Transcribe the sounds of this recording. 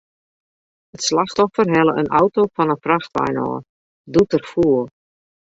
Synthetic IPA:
ətslaxtɔfərɦɛlˠəʔənʔa̰wtowfɔnənfraxtʋa̰jnɔ̰ː | dutərfuəlˠ

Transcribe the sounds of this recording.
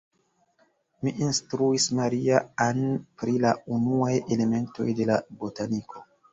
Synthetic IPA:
miʔinstɾuismaɾiaanpɾilaunuaje̞le̞me̞nto̞̰jde̞labo̞tanikʰo̞

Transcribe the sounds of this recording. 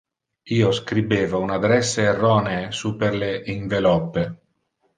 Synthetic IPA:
iːoskɾibeːvaunad̪ɾɛsːeːrːɔːneːsuːpeɾleʔiɱvelɔpːe

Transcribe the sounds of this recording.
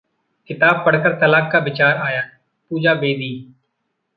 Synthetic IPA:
kɪt̪aːb̚pəɽkəɾt̪əlaːkːaːbɪt͡ʃaːɾaːjaː | puːd͡ʒaːbeːd̪iː

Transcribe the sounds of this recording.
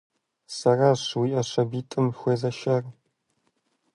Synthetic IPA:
sɐraɕwiːʔɐɕɐbiːtʼɨmxʷeːzɐʃɐr

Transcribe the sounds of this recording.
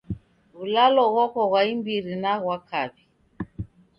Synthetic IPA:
ɣulalɔɣɔkɔɣwaimbiɾinaɣwakaβi

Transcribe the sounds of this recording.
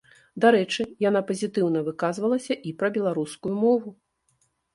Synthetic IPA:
d̪aɾɛt͡ʂɨjan̪apɐzʲit̪ɨwnɐvɨkazvɐlˠɐsʲɐʔipɾɐbʲɛlˠaɾuskujumɔvu

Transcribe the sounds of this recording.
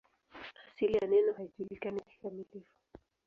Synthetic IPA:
asilijanɛnɔhaiʄulikaniki̥kamilifu̥

